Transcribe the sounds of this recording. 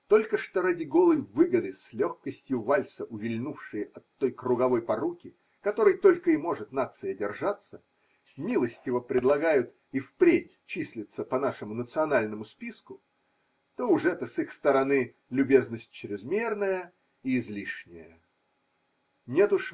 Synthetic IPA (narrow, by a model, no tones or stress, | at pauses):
t̪o̞lʲkəʂt̪oɾadʲɪɡo̞lˠəjvɨɡəd̪ɨslʲoxkəsʲtʲjʊvalʲsəʔʊvʲɪlʲnufʂɨjəʔɐt̪ːo̞jkrʊɡɐvo̞jpɐɾukʲɪ | kɐt̪o̞ɾɨjt̪o̞lʲkəɪmo̞ʐɨt̪nat̪sɨjədʲɪrʐat̪sə | mʲilˠəsʲtʲɪvəpɾʲɪd̪lˠɐɡajʊt̪ | ifpɾʲetʲt͡ɕisʲlʲɪt̪səpɐnaʂɨmʊnət̪sɨɐnalʲnəmʊspʲiskʊ | t̪o̞ʊʐɛt̪əsixst̪əɾɐnɨ | lʲʊbʲe̞znəsʲt̚ʲt͡ɕɾʲɪzmʲe̞rnəjə | iːzlʲiʂnʲɪjə | nʲe̞t̪ʊʂ